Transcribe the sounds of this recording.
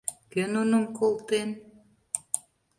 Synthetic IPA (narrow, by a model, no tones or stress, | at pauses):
kønunə̆mkolˠt̪en